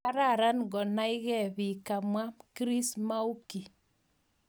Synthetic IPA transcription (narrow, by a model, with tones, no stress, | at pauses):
a˦ɾa˦˨ɾa˦nɡɔ˨na˦i˦ɣɛ˦˨βi˨ka˨mwa˦kɾi˦sma˦u˦ki˨